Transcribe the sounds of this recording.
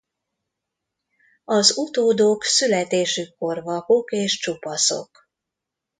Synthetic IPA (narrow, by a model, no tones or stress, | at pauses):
ɒzut̪oːd̪oːksylɛt̪eːʃykːo̞rvɒkokeːʃt͡ʃupɒso̞̰k